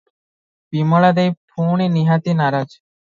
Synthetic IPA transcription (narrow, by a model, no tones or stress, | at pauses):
biməɭad̪ejpʰuɳiniɦat̪inaɾad͡ʒ